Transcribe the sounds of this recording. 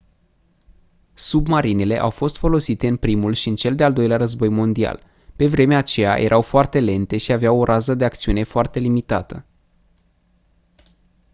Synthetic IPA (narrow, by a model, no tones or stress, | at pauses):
submaɾinele̞ʔawfo̞st̪fo̞lo̞sit̪e̞ɨnpɾimulʃiɨnt͡ʃe̞ld̪e̞ald̪o̞jleaɾəzbo̞jmo̞nd̪ia̰l | pe̞vɾe̞meat͡ʃe̞ja̰jʔe̞ɾʔawfoart̪e̞le̞nt̪e̞ʃiaveawo̞ɾʔazəd̪e̞ak̚t̪siune̞foart̪e̞limit̪at̪ə